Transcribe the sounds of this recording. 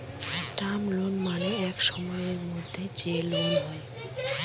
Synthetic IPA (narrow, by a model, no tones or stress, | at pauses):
ʈamlonmaneɛkʃɔmɔeeɾmod̪ʱːet͡ɕelonɦɔe